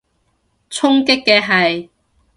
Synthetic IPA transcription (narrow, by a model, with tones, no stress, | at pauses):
t͡sʰʊ˥ŋkɪ˥kːɛ˧ɦɐ˨˩j